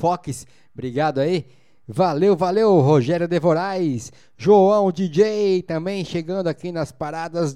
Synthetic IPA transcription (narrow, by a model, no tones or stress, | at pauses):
fɔkɪs | bɾiɡad̪ʊai | valewvalewɦoʒɛɾjʊd̪evoɾajs | ʒoɐ̃w̃d͡ʒid͡ʒejt̪ɐ̃mbẽj̃ʃeɡɐ̃nd̪ʊakinɐspaɾad̪ɐz